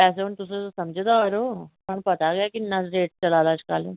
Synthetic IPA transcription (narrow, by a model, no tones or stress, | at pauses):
pɛːseʊnt̪ʊs̬et̪osɐmd͡ʒʱet̪aɐɾoːɦɐmpɐt̪aɡɐjakinɐɾeːʈ̚t͡ʃɐlaːlaːt͡ʃkaːle